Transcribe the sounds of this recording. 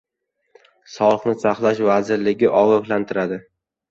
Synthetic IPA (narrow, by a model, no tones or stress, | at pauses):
sɒlˠɨχnɪsaχlˠaʃvazɪɾlɪɡʲɪʔɒʁɑχlant̪ʰɪɾad̪ɪ